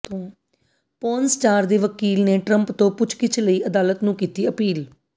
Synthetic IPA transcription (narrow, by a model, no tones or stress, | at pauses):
t̪õː | pɔːnsʈaːɾd̪eːʋəkiːlneːʈɾə̃mpt̪õːpʊt͡ʃʰkɪt͡ʃʰləiːʔəd̪aːlət̪nũːkiːt̪iːəpiːl